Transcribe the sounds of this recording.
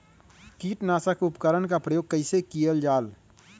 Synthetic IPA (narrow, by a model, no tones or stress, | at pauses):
kiːʈnaːsakʊpkəɾəɳkapɾəjoːɡ̚kəɪsekijəld͡ʒaːl